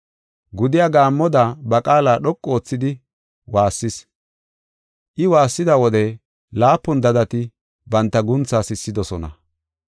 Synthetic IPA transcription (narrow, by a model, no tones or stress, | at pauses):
ɡʊd̪ɪjaɡaːmːɔd̪abɐkʼaːlaːɗɔkʼːɔoːt͡sːɪd̪ɪ | waːsːɪs | ʔɪwaːsːɪd̪ɐwɔd̪ɛ | laːpːʊnd̪ɐd̪ɐt̪ɪ | bɐnt̪ːɐɡʊnt͡sːaːsɪsːɪd̪ɔsɔnɐ̰